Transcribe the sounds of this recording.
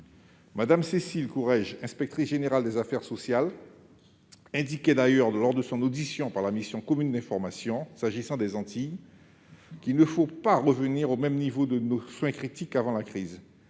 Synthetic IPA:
mad̪amsesilkuʁɛʒɛ̃spɛk̚t̪χisʒeneʁald̪ɛzafɛʁsosjal | ɛ̃d̪ikʲɛd̪ajœʁlɔʁd̪əsɔ̃nod̪isjɔ̃paʁlamisjɔ̃kɔmynd̪ɛ̃fɔʁmasjɔ̃saʒisɑ̃d̪ɛzɑ̃t̪ij | kinəfopaʁəvəniʁomɛmnivod̪ənoswɛ̃kχit̪ikavɑ̃lakχiz

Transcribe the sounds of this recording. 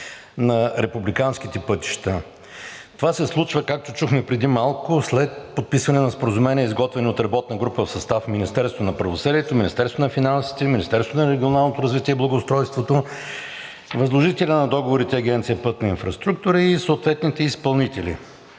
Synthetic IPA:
nɐɾɛpublikanskit̪ɛpɤt̪i̥ʃt̪ə | t̪ovasɛslˠut͡ʃvəkak̚t̪ot͡ʃuxmɛpɾɛd̪imalˠkʊslɛt̪̚pot̪̚pisvɐnɛnɐspoɾəzumɛniɛizɡɔt̪vɛnʲiot̪ɾɐbɔt̪nəɡɾupəfsɐst̪afminist̪ɛɾst̪vonɐpɾɐvosɤdiɛt̪ominist̪ɛɾst̪onfinansi̥t̪ɛminist̪ɛɾst̪vonɐɾɛɡʲionalˠnot̪oɾɐzvit̪iɛiblˠɐɡoʊːst̪ɾɔjst̪vot̪o | vɐzlˠoʒit̪ɛlʲənɐd̪ɔɡovoɾit̪ɛɐɡʲɛnt̪sijəpɤt̪nɐinfɾɐst̪ɾuk̚t̪ʊɾəisoot̪vɛt̪nit̪ɛispɐlˠnit̪ɛlʲḭ

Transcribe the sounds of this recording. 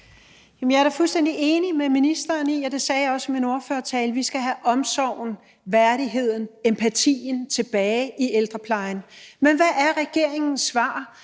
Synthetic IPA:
jæmnjɑ̈ɐɾɑfulsd̥en̰d̥iʔe̝ːnimeminisd̥ɐːniːɒd̥e̝sɛːjɑɒ̽səmino̝ɐføɐt͡sʰɛːlʋisɡ̥æɦæʔɒ̽msɒʊn̩ | ʋæɐɾiɦe̝ð̞̰ˠn̩empʰæt͡sʰḭːnt͡sʰe̝b̥ɛːɪʔield̥ʁɐpʰlɑ̈ɪnmenʋæʔæɐʁɛɡ̥e̝ɐ̰e̝ŋn̩sʋɑ̈ː

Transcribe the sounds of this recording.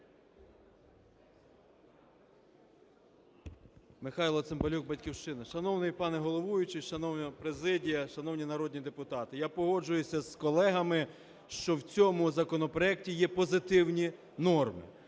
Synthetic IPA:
mɪxɑjlˠɔt̪sɪmbɐlʲuɡ̚bɐtʲkʲiwʃt͡ʃɪnɐʃɐnɔwnɪjpɑnɛɦɔlˠɔʋujʊt͡ʃɪʃɐnɔwnʲɔpɾezɪdʲijɐʃɐnɔwnʲinɐɾɔd̪ʲnʲid̪epʊt̪ɑt̪ɪjapɔɦɔd͡ʒʊjʊsʲɐskɔlˠɛɦɐmɪ | ʃt͡ʃɔwt͡sʲɔmʊzɐkɔnɔpɾɔɛk̚tʲijɛpɔzɪt̪ɪwnʲi | nɔrmɪ̰

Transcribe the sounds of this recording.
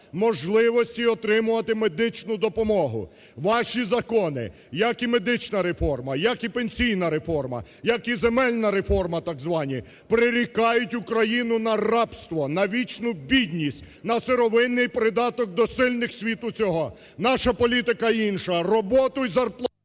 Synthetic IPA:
mɔʒlˠɪʋɔsʲtʲiɔt̪ɾɪmʊʋɐt̪ɪme̞d̪ɪt͡ʃnʊd̪ɔpɔmɔɦʊ̰ | ʋɑʃizɐkɔnɪ̰ | jɐkime̞d̪ɪt͡ʃnɐɾefɔrmɐjɐkipenʲsʲijnɐɾe̞fɔrmɐ̰ | jɐkizemɛlʲnɐɾe̞fɔrmɐt̪ɑɡzʋɑnʲi | pɾɪɾʲikɑjʊtʲʊkɾɐjinʊnɐrɑpst̪ʋɔnɐʋʲit͡ʃnʊbʲid̪ʲnʲisʲtʲ | nɐseɾɔʋɪnːɪjpɾɪd̪ɑt̪ɔk̚d̪ɔsɪlʲnɪxsʲʋʲit̪ʊt͡sʲɔɦɔ | nɑʃɐpɔlʲit̪ɪkɐinʃɐrɔbɔt̪ʊizɐrplˠ

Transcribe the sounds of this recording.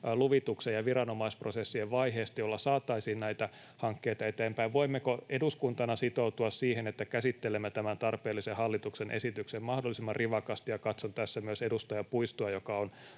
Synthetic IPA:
luʋit̪uksejjɑʋirɑnomɑisprosesːieʋʋɑiɦeːst̪ɑjolːɑsɑːt̪ːˑɑisiːnnæit̪æ | hɑŋkːeːt̪ɑet̪eːmpæiʋʋoimːekoeduskunt̪ɑnɑsit̪out̪uɑssiːhenet̪ːækæsit̪ːelemːet̪æmænt̪ɑrpeːlːisehɑlːit̪uksenʔḛsit̪yksemmɑhdolːisimːɑrriʋɑkɑst̪ijɑkɑt̪sont̪æsːæmyøsedust̪ɑjɑpuist̪uɑjokɑon

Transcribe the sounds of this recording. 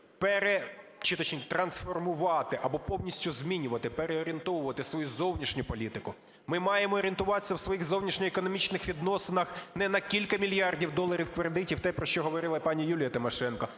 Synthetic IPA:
pɛɾe | t͡ʃɪt̪ɐt͡ʃnʲit̪ɾɐnsfɔrmʊʋɑt̪ɪʔɐbɔpɔwnʲisʲtʲʊzmʲinʲʊʋɐt̪ɪpeɾeɔɾʲient̪ɔʋʊʋɐt̪ɪsʋɔjuzɔwnʲiʃnʲʊpɔlʲit̪ɪkʊ | mɪmɑjemɔːɾʲint̪ʊʋɑt̪esʲːɐwsʋɔjiɣzɔwnʲiʃnʲɛekɔnɔmʲit͡ʃnɪxʋʲid̪nɔsenɐxnɛnɐkʲilʲkɐmʲilʲjɑrdʲiwd̪ɔlˠɐɾʲiwkʋeɾd̪ɪtʲiwt̪ɛpɾɔʃt͡ʃɔɦɔʋɔɾɪlˠɐpɑnʲijulʲijɐt̪ɪmɔʃɛnkɐ

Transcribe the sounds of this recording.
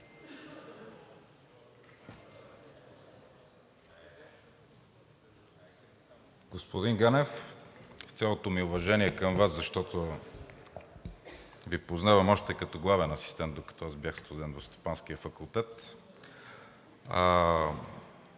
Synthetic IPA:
ɡospod̪iŋɡanɛf | fʲjalˠot̪omiʊvɐʒɛniɛkəmvaszɐʃt̪ɔt̪o | vipoznavɐmɔʃt̪ɛkɐt̪oɡlˠavɛnɐsi̥st̪ɛnt̪d̪okɐ̥t̪ɔazbjaxst̪ozɛnvost̪o̥panskiəfɐkulˠt̪ɛt̪

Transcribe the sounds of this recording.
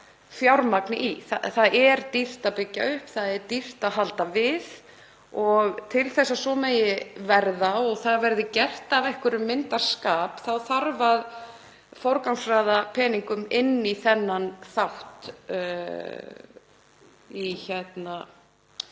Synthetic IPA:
fjawɾmaknɪʔiθa̰θaðɛɾt̪ir̥t̪apɪcːaʏhpθaðɛɾt̪ir̥t̪aɦalt̪avɪð | ɔɣt̪ʰɪlθɛsːasɔmeːjɪvɛɾðaɔɣθaðvɛɾðɪcɛr̥t̪avɛhkʏɾʏmːɪnt̪ḁskaːpθawθaɾvað | fɔwɾkawŋsraːðapʰɛːniŋkʏmɪnːiθɛnːanθawht̪ | içɛt̪na

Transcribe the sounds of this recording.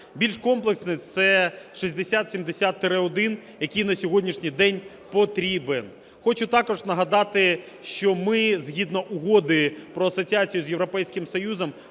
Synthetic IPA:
bʲilʲʃkɔmplˠeksnɪt̪sɛʃizʲd̪esʲat̪sʲimd̪esʲat̪ːɪɾɪɔd̪ɪnjɐkʲijnɐsʲɔɦɔdʲnʲiʃnʲijd̪ɛnʲ | pɔt̪ɾʲiben | xɔt͡ʃʊt̪ɑkɔʐnɐɦɐd̪ɑt̪ɪ | ʃt͡ʃɔmɪzɦʲid̪nɔʔʊɦɔd̪ɪpɾɔɐsɔt͡sʲiat͡sʲijʊzʲjewɾɔpɛjsʲkɪmsɔjuzɔm

